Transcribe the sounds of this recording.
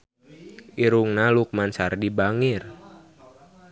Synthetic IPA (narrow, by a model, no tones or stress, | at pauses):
ʔiɾuŋnaluk̚mansardibaŋir